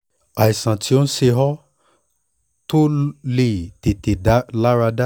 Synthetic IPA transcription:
a˨i˨sã˨tʰi˧˦o˦n̩˦ʃe˧ɦɔ˦ | to˦le˨te˨te˨da˨˦la˦ɾa˧da˦

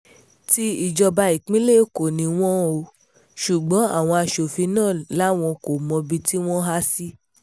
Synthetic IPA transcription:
ti˧i˦˨d͡ʒɔ˧ba˧i˨k͡pĩ˦le˦˨ko˨nĩ˧˦w̃ɔ̃˦o˧ | ʃu˨ɡ͡bɔ̃˨˦a̰˦˨w̃ɔ̃˧a˧˨ʃo˨fi˧nãː˦˨la˨˦w̃ɔ̃˧ko˨mɔ̃˧bi˧ti˦w̃ɔ̃˦ɦa˦si˦

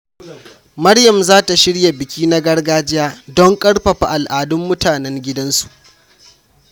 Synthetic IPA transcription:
mɐ˦ɽjɐ˨mzaː˦ta˨ʃɪ˦ɽja˨bɪ˨kʲiː˦na˦ɡɐ˦rɡaː˦d͡ʒɪ˦jaː˦dɔ˦ŋkʼɐ˦ɽɸɐ˨ɸa˨ʔa˨lʔaː˨dʊ˦mːʊ˦tʰaː˨nɛ˦ŋɡʲɪ˦dɐ˦nsu̥˨ʔ

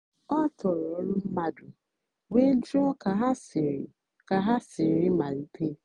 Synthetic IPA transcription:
ɔ˦tʰɔ˨ɾɔ˨˦lʊ˦m̩˦ma˦dʊ˨ | we˦d͡ʒɔ˦ka˨ɦa˦si˨ɾ | ka˨ɦa˦sɪ˨˦ɾɪ˦ma˨ni˦tʰe˦

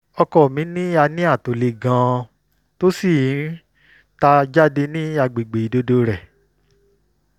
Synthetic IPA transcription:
ɔ˧kɔ˨mĩ˨˦nĩ˦a˧nĩ˦a˦˨to˨le˨ɡã˧˦ | to˦si˦˨ĩ˨˦ | ta˧d͡ʒa˦de˧nĩ˦a˧ɡ͡be˨ɡ͡be˨i˨do˨˦do˧˦ɾɛ˨

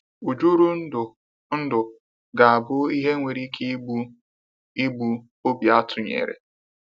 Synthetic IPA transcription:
u˨d͡ʒu˦ɾu˦n̩˦dʊ˨ | n̩˦dʊ˨ | ɡa˨a˨bʊ˦i˦ɦe˦ŋʷe˨ɾi˦kʰe˦bu˦ | i˦bu˨˦ | o˦bja˦tʰʊ˨ɲḛ˨ɾḛ˨

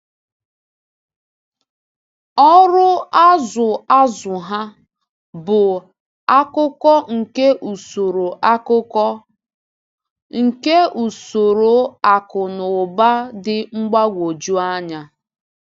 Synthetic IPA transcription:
ɔ˦ɾʊ˦a˦zʊ˨a˦zʊ˨ɦa˦ | bʊ˨ | a˦kʊ˦kɔ˦ŋ̩˨ke˦ʔu˨so˨ɾo˨ʔa˦kʊ˦kɔ˦ | ŋ̩˨ke˦u˨so˨ɾo˨˦a˨kʊ˨nʊ˨ba˦dɪ˦ŋ͡m̩˦ɡ͡ba˦ɡʷo˨d͡ʒu˦a˦ɲa˦

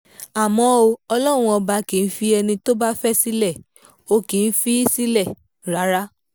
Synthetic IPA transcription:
a˨mɔ̃˨˦o˧ɔ˧lɔ̃˦˨ũ˧ɔ˧ba˧ki˨n̩˦fi˦ɛ˧nĩ˧to˦ba˦fɛ˦si˦lɛ˦˨ | o˧kĩ˨˦n̩˦fi˦si˦lɛ˦˨ | ɾa˨˦ɾa˦

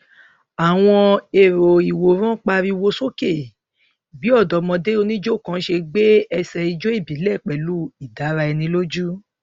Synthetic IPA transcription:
a˨w̃ɔ̃˧e˨ɾo˨i˨wo˨ɾ̃ã˦k͡pa˧ɾi˧wo˧so˦ke˦˨ | bi˨˦ɔ˦˨dɔ˨˦mɔ̃˧de˦o˧nĩ˦d͡ʒo˦˨kã˨˦ʃe˧ɡ͡be˦ɛ˧sɛ˧i˧d͡ʒo˦i˦˨bi˨˦lɛ˦˨k͡pɛ˨lu˦i˨da˨˦ɾa˧ɛ˧nĩ˧˦lo˦d͡ʒu˦

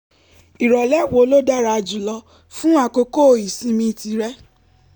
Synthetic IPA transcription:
i˨ɾɔ˨lɛ˦˨wo˨˦lo˦da˦ɾa˧d͡ʒu˨lɔ˧ | fũ˦a˦˨ko˧ko˦˨i˨sĩ˦mĩ˧ti˧ɾɛ˦

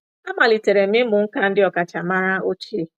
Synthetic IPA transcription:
a˦ma˨li˨te˨ɾe˨mɪ˦mʊ˨ŋ̩˦ka˦n̩˦dɪ˦ɔ˨ka˨t͡ʃa˨ma˦ɾa˦o˦t͡ʃi˦e˨

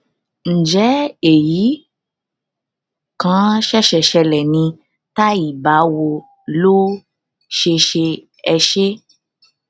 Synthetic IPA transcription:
n̩˨d͡ʒɛ˨˦e˨ji˨˦ | kã˦ʃɛ˦˨ʃɛ˨ʃɛ˧lɛ˨nĩ˧ | ta˦i˨ba˨˦wo˧ | lo˦ | ʃe˧ʃe˧ | ɛ˧ʃe˦

